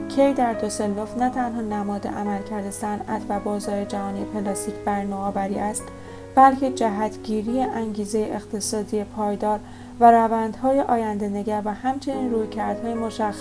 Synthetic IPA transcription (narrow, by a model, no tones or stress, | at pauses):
cʰejd̪æɾd̪oselːofnæt̪ʰænɦɒːnæmɒːd̪ḛʔæmælcʰæɾd̪e̞sænæ̰t̪ʰvæbɒːzɒːɾe̞d͡ʒæɦɒːnijepʰelɒːst̪iːkcʰb̥æɾnɒːvæɾiːʔæst̪ | b̥ælcʰe̞d͡ʒæɦæt̪ʰɟiːɾijeʔæŋɟiːze̞jeʔext̪ʰe̞sɒːd̪ijepʰɒːjd̪ɒːɾ | væɾævænd̪̥hɒːje̞ʔɒːjænd̪e̞ne̞ɟæɾvæhæmt͡ʃʰe̞niːnruːjcʰæɾd̪̥hɒːjemo̞ʃæxː